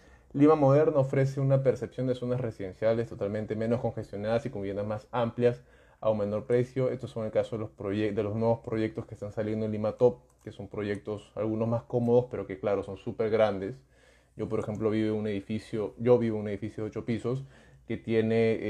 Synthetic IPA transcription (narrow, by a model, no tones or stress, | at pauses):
limamo̞ð̞e̞ɾnaofɾe̞s̬e̞unape̞ɾse̞psjo̞nd̪e̞sonasresiðe̞nsjalest̪o̞t̪almẽnt̪e̞me̞nosko̞ŋxe̞st̪jo̞naðasikombiβje̞nd̪azmasampljas | a̰uŋmẽ̞no̞ɾpɾe̞sjo̞e̞st̪oso̞ŋelkaso̞ðelospɾoed̪e̞lo̞znwe̞βo̞spɾo̞ʝe̞k̚t̪o̞skest̪ansalje̞nd̪olimat̪o̞p̚ | keso̞mpɾo̞ʝek̚t̪osa̰lɣuno̞zmasko̞mo̞ðo̞spe̞ɾo̞ke̞klaɾo̞so̞nsupe̞ɾɣɾand̪e̞s | ɟ͡ʝo̞po̞ɾexe̞mplo̞βiβeune̞ðifisjoʝo̞βiβoune̞ðifisjoðeot͡ʃo̞piso̞ske̞t̪je̞ne̞